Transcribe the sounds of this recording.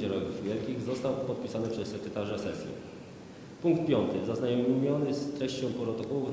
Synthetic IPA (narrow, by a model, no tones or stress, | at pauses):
d͡ʑɛɾɔjuvvʲjɛlkʲiɣzɔst̪awpɔt̪̚pʲisanɘpʂɛsːɛkɾɛt̪aʐasɛsʲjɛ̰ | puŋkt̪̚pʲjɔnt̪ɘzaznajɔmʲmʲjɔnɘst̪ɾɛɕt͡ɕɔ̃w̃pɾɔt̪ɔkɔwuf